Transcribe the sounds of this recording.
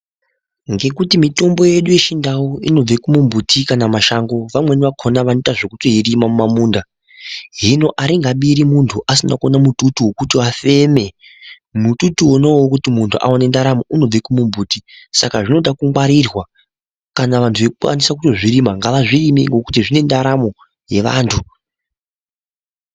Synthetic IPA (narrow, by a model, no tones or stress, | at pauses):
ŋɡe̞kutimito̞mbo̞je̞ɗuje̞ʃindawoino̞b͡vekumumbutʰikanamaʃaŋɡo̞ʋamwe̞niʋakʰonaʋanitaʐekuto̞irimamumamuːnda | ɦino̞ʔaɾiŋɡaɓiɾimuntʰuʔasinakonamututuwokutiafe̞me̞ | mututuwonowokutimuntʰuʔa̰wane̞ndaɾamo̞ʔuno̞b͡vekumumbuːtisakaʐino̞ɗakuŋɡwaɾirwa | kanaʋantʰuʋe̞kukwa̰nisakuto̞ʐiɾimaŋɡaʋaʐirimiŋɡo̞kutiʐine̞ndaɾamo̞ | je̞ʋa̰ːntʰu